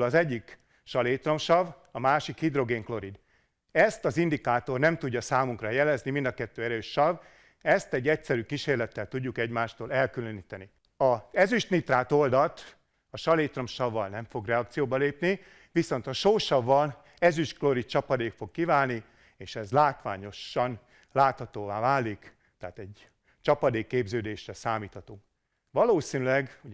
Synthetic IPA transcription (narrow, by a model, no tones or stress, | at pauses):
lɒzɛɟːik | ʃɒleːt̪ro̞mʃɒvɒmaːʃikhid̪ro̞ɡeːŋklo̞ɾid̪ | ɛst̪ɒzind̪ikaːt̪o̞rnɛmt̪uɟːɒsaːmuŋkrɒjɛlɛznimind̪ɒkɛt̪ːøːɛɾøːʃːɒv | ɛst̪ɛɟːɛcsɛɾyːkiʃeːrlɛt̪ːɛlt̪uɟːukɛɟmaːʃt̪oːlɛlkyløniːt̪ɛni | ɒɛzyʃnit̪raːt̪o̞ld̪ɒt̪ | ɒʃɒleːt̪rɒmʃɒvːɒlnɛɱfo̞ɡrɛɒk̚t̪sijoːbɒleːpni | ʋiso̞nt̪ɒʃoːʃɒvːɒl | ɛzyʃkloɾit͡ʃɒpɒd̪eːkfo̞kːivaːlni | eːʃɛzlaːt̪ʋa̰ːɲo̞ʃːɒn | laːt̪hɒt̪oːvaːvaːlik | t̪ɛɦːt̪ɛɟ | t͡ʃɒpɒd̪eːkːeːbzøːd̪eːʃrɛsaːmiːt̪hɒt̪oː | vɒloːsinylɛɡu